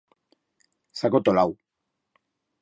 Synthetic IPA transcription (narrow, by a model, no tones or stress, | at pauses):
sakot̪olaw